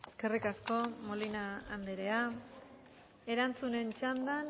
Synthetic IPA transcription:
eske̞rikasko̞mo̞linaːnd̪eɾe̞a | e̞ɾant͡sune̞nt͡ʃand̪an

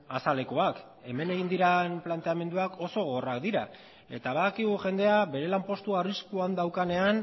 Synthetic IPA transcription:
asale̞ko̞ak | e̞me̞ne̞ɣ̞ind̪iɾanplant̪e̞ame̞nd̪uako̞so̞ɣo̞rakd̪iɾa | e̞t̪aβaðakiɣ̞uʝe̞nd̪e̞abe̞ɾe̞lampo̞st̪uariskuand̪awkane̞an

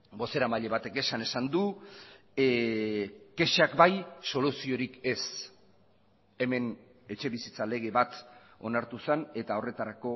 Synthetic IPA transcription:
bo̞se̞ɾamaʎe̞β̞at̪e̞ke̞sane̞sand̪u | ke̞ʃakbajso̞lusio̞ɾike̞s | e̞me̞n | e̞t͡ʃe̞βisit͡sale̞ɣ̞e̞βat̪o̞naɾt̪usane̞t̪ao̞re̞t̪aɾako̞

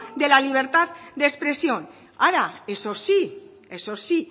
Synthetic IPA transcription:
d̪e̞laliβ̞e̞ɾt̪at̪d̪espɾe̞sio̞n | aɾaesosi | esosi

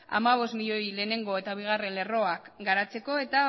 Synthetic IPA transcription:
a̰maβ̞o̞stmiʎo̞jle̞ːne̞ŋɡo̞e̞t̪aβ̞iɣ̞are̞nle̞ro̞akɡaɾat͡se̞ko̞e̞t̪a

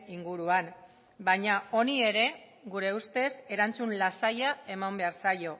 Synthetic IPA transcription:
iŋɡuɾuan | baɲao̞nie̞ɾe̞ | ɡuɾe̞ust̪e̞se̞ɾant͡sunlasajae̞mambe̞aɾsajo̞

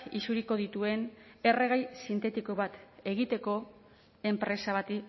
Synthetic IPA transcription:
isuɾiko̞ð̞it̪ue̞ne̞re̞ɣ̞ajsint̪e̞t̪iko̞βat̪e̞ɣ̞it̪e̞ko̞ | e̞mpɾe̞saβat̪i

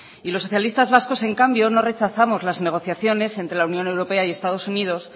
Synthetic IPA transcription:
ilo̞sːo̞θjalist̪azβasko̞se̞ŋkambjo̞no̞re̞t͡ʃaθamo̞zlazne̞ɣ̞o̞θjaθjo̞ne̞se̞nt̪ɾe̞launjõ̞ne̞wɾo̞pe̞aie̞st̪að̞o̞sunið̞o̞s

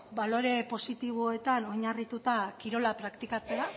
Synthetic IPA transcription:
balo̞ɾe̞po̞sit̪iβ̞oe̞t̪ano̞ɲarit̪ut̪akiɾo̞lapɾakt̪ikat͡se̞a

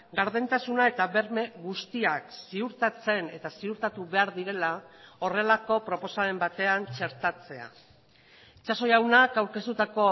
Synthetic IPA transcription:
ɡaɾðent̪asunae̞t̪aβe̞ɾme̞ɣust̪iaksiuɾt̪at͡se̞ne̞t̪asiuɾt̪at̪uβe̞aɾðiɾe̞lao̞re̞lako̞pɾo̞po̞sae̞mbat̪e̞ant͡ʃe̞ɾt̪at͡se̞a̰ | it͡ʃaso̞jawnakawɾke̞st̪ut̪ako̞

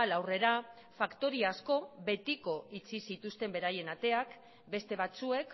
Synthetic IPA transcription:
lawre̞ɾa | fakt̪o̞ɾiasko̞βe̞t̪iko̞it͡sisit̪ust̪e̞mbe̞ɾaje̞nat̪e̞ak | be̞st̪e̞β̞at͡sue̞k

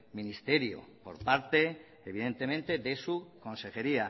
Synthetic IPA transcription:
mĩnist̪e̞ɾjo̰po̞̰ɾpaɾt̪e̞ː | βiðe̞nt̪e̞mẽ̞nt̪e̞ðe̞suko̞nse̞xe̞ɾia

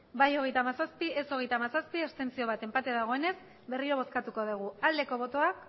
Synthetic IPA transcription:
bajo̞ɣe̞jt̪amasaspie̞so̞ɣ̞e̞jt̪aːmasaspiest̪e̞nsio̞βat̪e̞mpat̪eðaɣ̞o̞e̞ne̞s | be̞riɾo̞β̞o̞skat̪uko̞ð̞uɣ̞uald̪e̞ko̞β̞o̞t̪o̞ak

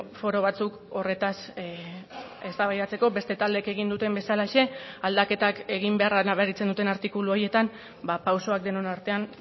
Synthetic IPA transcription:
fo̞ɾo̞β̞at͡suk | o̞re̞t̪as | e̞st̪aβajat͡se̞ko̞be̞st̪e̞t̪ald̪e̞ke̞ɣ̞ind̪ut̪e̞mbe̞salaeʃe̞ald̪ake̞t̪ake̞ɣ̞imbe̞aranaβeɾit͡se̞nd̪ut̪̬e̞naɾt̪ikuluo̞je̞t̪am | bapawso̞ak̚d̪e̞no̞naɾt̪e̞an

